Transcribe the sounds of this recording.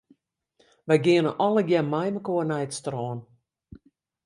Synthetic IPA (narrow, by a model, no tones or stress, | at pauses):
ʋɛjɡɪənəʔɔləɡjɛnmajməkoənɛjətstrɔːn